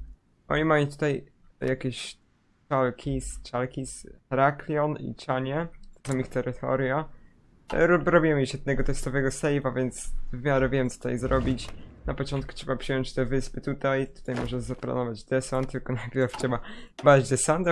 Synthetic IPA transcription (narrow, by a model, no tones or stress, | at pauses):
ʔɔ̰ɲimamit̪ut̪ajjakʲeɕ | t͡ʂalkʲʰist͡ʃalkʲisxɾaklʲjɔnḭt͡ʂaɲɛzamixt̪ɛɾɨt̪ʰɔ̰ɾja | ɾɾɔbʲiwɛmjɛʃjɛd̪̚nɛɡɔt̪ɛst̪ɔvɛɡɔsɛjvavʲjɛnt̪svɘmʲjaɾɛvʲjɛmt͡s̪ut̪a̰jzɾɔbʲit͡ɕnapɔt͡ʃɔnt̪̚kutʂɛbapʂɘjɔɲt͡ɕt̪ɛvɘspɘt̪ut̪ajt̪u̥t̪ajmɔʐɛzapla̰nɔvad͡ʑd̪ɛsant̪ːɘlkɔnajplʲaɾft͡ɕɛbabad͡ʑd̪ɛsant̪